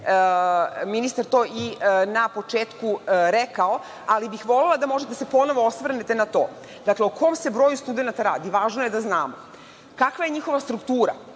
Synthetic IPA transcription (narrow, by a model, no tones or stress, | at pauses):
minist̪aɾt̪o̞ːinapo̞t͡ʃeːt̪kuɾekao | alibixʋo̞lelˠad̪amo̞ʒet̪ed̪asepo̞no̞ʋo̞osʋr̩net̪enat̪o̞̰ː | d̪akleokʰo̞mse̞bɾojust̪ud̪enat̪aɾa̰ːd̪iʋaːʒnoje̞d̪aznaːmo̰ | kakʋajeɲixo̞ʋast̪ɾukt̪uːɾa̰